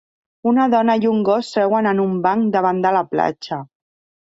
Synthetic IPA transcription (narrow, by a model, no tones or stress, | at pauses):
unaðɔnajuŋɡost̪ɾɛwənənumbaŋkd̪əβ̞and̪əlapla̰t͡ʃə